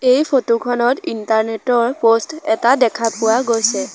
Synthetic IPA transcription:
ejpʰotokʰɔnɔtintaɹnetɔɹpostɛtadɛkʰapʊwaɡojsɛ

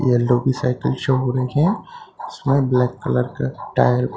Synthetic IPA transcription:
jɛlːoːbisa̰ːɪkəlʃəɦoɾɐɦeɦɛ̃ɪsmẽblɛːkːɐləɾkaʈaːjəɾ

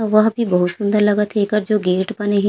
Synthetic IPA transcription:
ʋɐɦbʱibɐɦʊt̪sʊ̃nd̪əɾlɐɡat̪ʰeːkəɾd͡ʒoːɡeːʈbɐneɦĩ

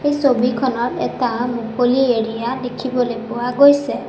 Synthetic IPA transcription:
ejsobikʰɔnɔtɛ̰tamukolieɹijadekʰibɔlojpʊwaɡojsɛ

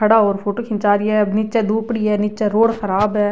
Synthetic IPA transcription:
kʰəɽaːɦoːɾpʰoːʈoːkʰɪ̃nt͡ʃaːɾiɛːnɪt͡ʃɛːd̪uːpɽiːɦɛːnɪt͡ʃɛːɾoːɽxəɾaːbɦɛː

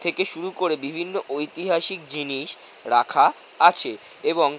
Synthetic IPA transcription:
t̪ʰekeʃuɾukoɾebibʱinːoʔojt̪iɦaʃik̚d͡ʑiniʃ | ɾakʰa | at͡ɕʰe | eboŋ

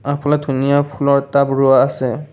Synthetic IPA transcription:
apunadʱunijapʰulɔɹtabɹuaːsɛ

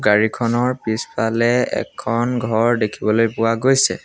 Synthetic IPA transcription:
ɡaɹikʰɔnɔɹpispalɛɛ̰kʰːɔnɡʱɔɹdekʰibɔlojpʊwaɡojsɛ̰

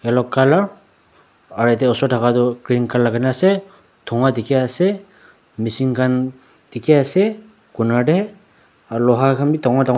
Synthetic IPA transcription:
ɛlɔkːalaɹ | aɹɛt̬ɛɔsɔɹtʰakatɔkɹinkalakanasɛ | dʰɔŋatikɛasɛ | misiŋkʰan | tikɛasɛ | kunaɹdɛ | alɔɦakʰanbitɔŋata

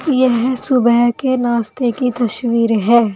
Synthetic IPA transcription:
jɛɦsʊbɛɦkenaːst̪ekit̪ɐʃwiːɾɦɛː

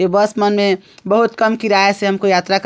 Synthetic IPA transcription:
ebəsmənmẽbəɦut̪kəmkiɾaɦɛseɦəmkojaːt̪ɾak

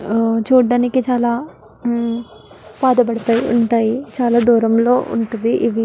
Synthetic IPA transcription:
t͡ʃuːɖaːnikit͡ʃaːlaː | paːd̪ɐp̬ɐɽɐt̪aːjiuɳʈaːjit͡ʃaːlaːd̪uːɾɐmlo̞ːʔṵɳʈund̪iʔiʋi

